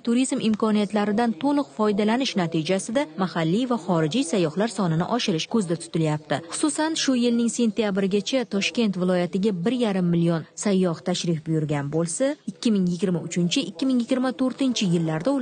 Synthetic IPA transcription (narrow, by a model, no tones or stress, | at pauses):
t̪ʰuɾizmɪmkʰɒnijat̪laɾɪd̪ant̪ʰolˠɨqfɒjd̪alanɪʃnat̪ʰid͡ʒasɪd̪amahalːijvaχɒɾɪd͡ʒijsajːɒhlaɾsɒnɪnɪ̰ʔɒʃɪɾɪʃkʰɵzd̪at̪ʰʊ̥t̪ʰɪljap̚t̪ʰɪχʊ̥susanʃʊjɪlnɪŋse̞nt̪ʰijabɪɾɪɡʲat͡ʃʰat̪ʰɒʃkʲe̞nt̪vɪlˠɒjat̪ɪɡʲabɪɾjaɾɪmːɪlijonsajːɒht̪ʰaʃɾɪfbʊjʊɾɡʲanbolˠsaɪkʲʰːɪmɪŋjɪɡʲɪɾmaʊt͡ʃʰɪnt͡ʃʰɪʔɪkʲːɪmɪŋjɪɡʲɪɾmat̪ʰɵɾt̪ɪnt͡ʃʰɪjɪlːaɾd̪aʊ